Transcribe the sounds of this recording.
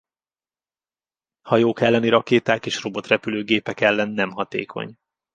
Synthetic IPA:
hɒjoːkɛlːɛniɾɒkeːt̪aːkeːʃro̞bo̞t̪rɛpyløːɡeːpɛkɛlːɛnːɛmɦɒt̪ḛːkʰo̞̰ɲ

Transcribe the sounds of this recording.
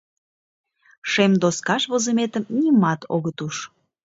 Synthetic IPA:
ʃemd̪oskɑʃβozəmet̪əmnimɑt̪o̰ɣət̪uʃ

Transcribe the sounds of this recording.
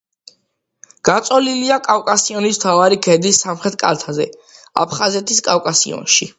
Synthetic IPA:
ɡ̥at̪sʼɔliliakʼavkʼasiɔnismt̪ʰavaɾikʰɛd̪isːamχɾɛt̪̚ʰkʼa̰ɾt̪ʰazɛa̰pʰχazɛt̪ʰiskʼavkʼasḭɔ̰nʃi

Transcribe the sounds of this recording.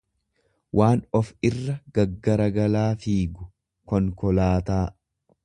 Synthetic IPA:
wʔaːnɔfɪrːɐɡ̥ɐɡːɐɾɐɡɐlaːfiːɡʊ | kɔŋkɔlaːt̪aː

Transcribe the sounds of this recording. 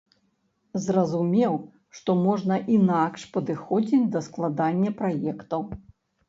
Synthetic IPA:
zrɐzumʲɛw | ʂt̪ɔmɔʐnɐʔinakʂpɐd̪ɨxɔd͡zʲid͡zʲd̪ɐsklˠad̪anʲːɐpɾajɛkt̪ɐw

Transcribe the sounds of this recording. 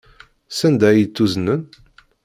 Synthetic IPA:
sænd̪æjət͡s̪ːuzənən

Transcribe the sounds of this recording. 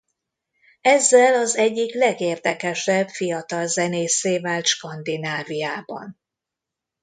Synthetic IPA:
ɛzːɛlɒzɛɟːiklɛɡeːrd̪ɛkɛʃɛbfijɒt̪ɒlzɛneːseːvaːlt̪ʃkɒnd̪inaːvijaːbɒ̰n

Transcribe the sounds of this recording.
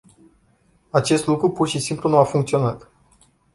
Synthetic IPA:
at͡ʃe̞st̪lukɾupurʃisimplunuafuŋkt̪sio̞nat̪

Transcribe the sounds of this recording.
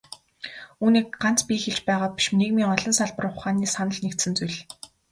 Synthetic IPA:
uːniːk̚ɢan̥t͡spʲiːxeɮt͡ɕpæːʁaːpʲi̥ʃneɣmiːŋɔɮɞ̆nsaɮpə̆rʊχaːniːsanə̆ɮnekt̪sɘ̆nt͡sujɮ

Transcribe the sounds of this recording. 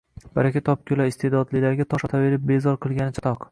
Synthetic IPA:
b̥aɾakʲat̪ʰɒp̚kʰʲʊlaɪst̪e̞d̪ɒd̪lɪlaɾɡʲat̪ʰɒʃɒt̪ʰave̞ɾɪp̚be̞zɒɾqʰɨlˠɡʲanɪt͡ʃʰḁt̪ʰɒq

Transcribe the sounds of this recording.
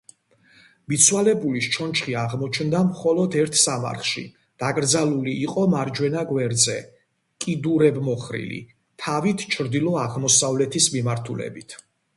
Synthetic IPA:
mit̪sʰwalɛbuliʃt͡ʃʰɔnt͡ʃʰχiaʁmɔt͡ʃʰnd̪amχɔlɔd̪ɛɾt̪ʰsama̰ɾχʃḭ | d̪̥akʼɾd̪zalˠuliːqʼɔmaɾd͡ʒwɛnaɡwɛɾd̪zɛ | kʼid̪uɾɛbmɔχɾḭlḭ | t̪ʰavit̪ʰt͡ʃʰɾd̪ilˠɔaʁmɔsavlɛt̪ʰismimaɾt̪ʰulɛ̰bit̪ʰ

